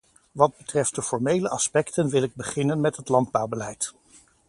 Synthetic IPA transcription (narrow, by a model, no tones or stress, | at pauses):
ʋɑd̚bətrɛft̚dəfɔɹmejləʔɑspɛktənʋɪlɪɡ̚bəχɪnənmɛtɦətlɑnd̚bawbəlɛjt